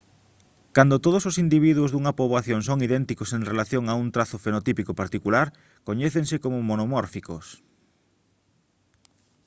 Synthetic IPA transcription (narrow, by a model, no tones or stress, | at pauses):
kand̪ot̪oð̞ososind̪iβ̞iðwʊzðuŋɐpoβaθjoŋsoŋiðɛnt̪ikoseŋrelaθjoŋaunt̪ɾaθofenot̪ipikopaɾt̪ikulaɾ | koɲeθeŋsekomʊmonomɔɾfikos